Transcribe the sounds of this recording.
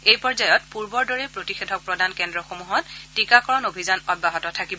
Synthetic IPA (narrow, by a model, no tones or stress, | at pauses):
ejpɔɹzajɔtpuɹbɔɹdɔɹɛpɹotixedʱɔk̚pɹɔdankɛndɹɔxomuɦɔtːikakɔɹɔnobʱizanɔd̚baɦɔtɔtʰakibɔ